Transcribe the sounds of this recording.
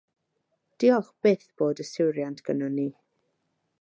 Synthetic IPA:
d̥iɔχb̥eθb̥oːdəsɪwɾjantʰɡ̥ənɔniː

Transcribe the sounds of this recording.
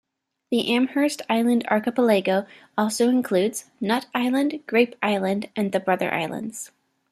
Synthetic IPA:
ðiʔæ̃mhɜ˞stʰaɪlˠɨ̃ndɑ̰ɹkəpəleɪɡoʊ | ɔlˠsoʊɨ̃nkʰl̥ʉdz̥nʌɾaɪlˠə̃ndɡ̥ɹeɪpʔaɪlˠɨ̃ndʔɨ̃nðɨbɹʌðə̰˞ʔa̰ɪlˠə̰̃ndz̥

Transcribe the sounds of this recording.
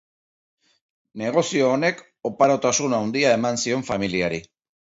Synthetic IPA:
ne̞ɣ̞o̞sio̞ːne̞k | o̞paɾot̪asunawnd̪iae̞mansio̞ɱfamiliaɾi

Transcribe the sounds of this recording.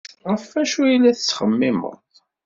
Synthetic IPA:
ʁəfæʃujilːæθət͡sːχəmːimə̰ɾt̪ˤ

